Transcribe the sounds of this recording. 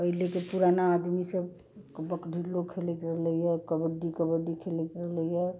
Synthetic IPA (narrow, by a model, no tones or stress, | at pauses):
əɦilekepuɾanaːd̪misəb | kbəkɖʱilokʰelɛt̪ɾəɦləjəkəbəɖikəbəɖikʰelɛt̪ɾəɦləjə